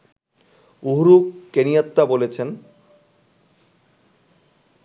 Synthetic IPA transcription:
uɦɾukːenijat̪ːabolet͡ɕʰen

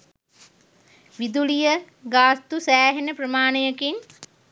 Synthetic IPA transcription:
ʋid̪ulijə | ɡaːst̪usæːɦenəprəmaːnəjəkin

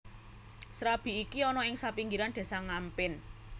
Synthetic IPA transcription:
sɾab̥i̤ikiɔnɔɪŋsapiŋɡiɾand̪̥e̤saŋampɪn

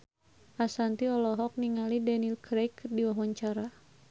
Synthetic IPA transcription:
ʔasant̪iɔlɔɦɔk̚niŋalidɛnilkɾejkdiwɔɦɔɲt͡ʃaɾa

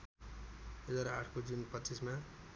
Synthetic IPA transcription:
ɦed͡zaɾaaʈʰkod͡zunpʌisma

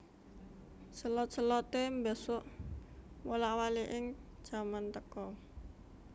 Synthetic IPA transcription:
səlɔt̪̚səlɔt̪embəsʊʔ | wolaʔwaliʔɪŋd̥ʒ̥a̤mant̪əkɔ

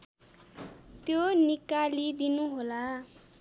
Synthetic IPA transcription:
t̪jonikalid̪inuɦola

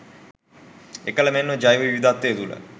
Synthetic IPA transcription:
ekələmenːəd͡ʒajɦoiʋid̪at̪ːeːt̪ulə̰

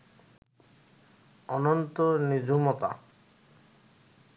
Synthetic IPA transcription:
ɔnɔnt̪onid͡ʑumɔt̪a̰

